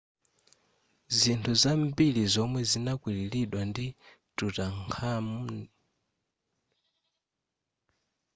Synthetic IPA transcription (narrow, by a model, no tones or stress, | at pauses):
zintʰuzambilizɔmwɛzinakwililiɗwandi | tutaŋkʰamun